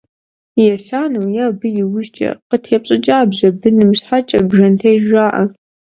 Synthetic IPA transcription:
jɛɬaːnɐwjaːbɨjɪwʊʃt͡ʃʼɐ̰qətʰeːp̚ɕʼɪt͡ʃʼaːbʑɐbɨnɨmɕħat͡ʃʼɐbʒɐntʰejʒaːʔɐ

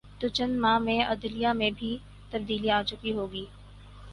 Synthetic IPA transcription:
t̪ot͡ʃɐnmãːmẽʔɐd̪lijamẽbʱi | t̪ɐb̚d̪iːliaːt͡ʃʊkiɦoːɡiː

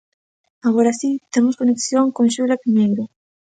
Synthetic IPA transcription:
aɣoɾasit̪emʊskoneksjoŋkoŋʃulapimejɾo

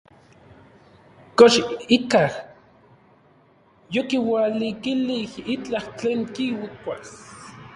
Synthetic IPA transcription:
koʃikah | jokiwalikilihit͡ɬaht͡ɬeːŋkiwikʷas

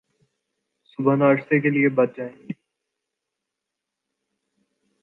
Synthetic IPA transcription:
sʊbʱənaːɐʈsek̬eliebɐt̪̚d͡ʒaːẽːŋɡi

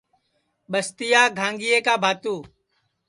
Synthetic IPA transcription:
ɓəst̪ɪjaːɡʱãːŋɡɪjeːkaːbʱaːt̪uː

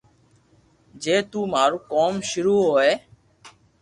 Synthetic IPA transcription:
d͡ʒeːt̪uːmaːɾkɔːmʃiɾuːɦoːe

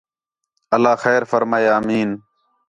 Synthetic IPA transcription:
əlaːxɛːɾfəɾmaːjːmiːn

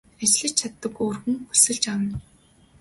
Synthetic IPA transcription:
æt͡ɕɮɘ̆t͡ɕt͡ɕʰat̪ːə̆koːrɣɘ̆ŋxusɘ̆ɮt͡ɕawə̆n

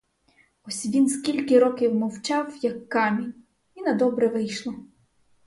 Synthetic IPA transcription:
ɔsʲʋʲinskʲilʲkʲɪɾɔkʲɪwmɔwt͡ʃɑwjɐkːɑmʲinʲ | inɐd̪ɔbɾɛʋɪjʃlˠɐ

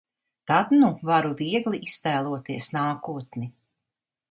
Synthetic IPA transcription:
t̪ad̪nuvaɾuviɛɡliʔist̪æːlˠuɔt̪iɛsnaːkuɔt̪ni

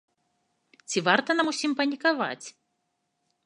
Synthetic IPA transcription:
t͡sʲivart̪ɐnamusʲimpɐnʲikava̰t͡sʲ

